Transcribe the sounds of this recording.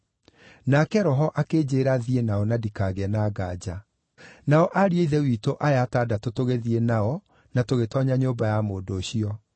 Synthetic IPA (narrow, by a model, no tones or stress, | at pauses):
nakɛɾɔɦɔʔakeːd͡ʑeːɾaðienaɔnadikaɣɛnaɡaːd͡ʑa | naɔʔaɾieiðɛwiːtoʔajataːdatotoɣeðienaɔ | natoɣetɔɲaɲoːbajamoːdoːɕiɔ